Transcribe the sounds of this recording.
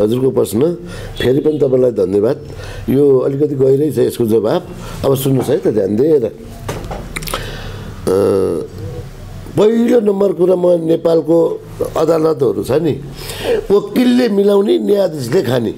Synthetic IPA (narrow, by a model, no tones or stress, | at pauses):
ɦʌd͡zurkoprʌsnʌ | pʰeɾipʌnit̪ʌpãĩlajd̪ʱʌnːjebad̪̚ | joʌlik̬ʌt̪̬iɡʌjɾʌjt͡sʰʌeskod͡zʌbab | ʌbʌsunːusʰʌjt̪ʌd̪ja̰nd̪eɾʌ̰ | pʌɦilonʌmbʌrkuɾamʌnepalko | ʌd̪alʌt̪ɦʌɾut͡sʰʌni | okilːemilawnenijad̪islekʰanḭ